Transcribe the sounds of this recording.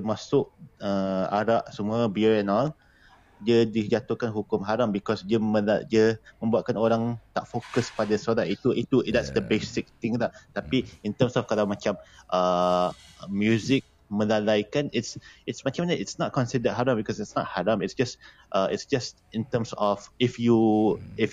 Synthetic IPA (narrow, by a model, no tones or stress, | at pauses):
əmasʊʔəa̰ɾaʔsəmuəbiəɹɛ̃nɔl | dədid͡ʒat̪uhkanɦukʊmɦaɾambikɔsdiəməadiəmə̃mbuaʔ̪̚kanoɾaŋt̪aʔfokəspadəsoɾait̪uʔit̪udɛtsdəbesɪk̚t̪ɪ̃ŋlaʔt̪apiĩnt̪əmsɔfkalawmat͡ʃamʔə | mːjuzɪk̚ | mə̃lalajkanɪtsɪtsmat͡ʃãmnəɪtsnɔt̚kɔ̃nsidəɦaɾambikɔsitsnɔt̚haɾamɪtsd͡ʒas | ʔəɪtsd͡ʒast | ĩnt̪əmsɔfifjuif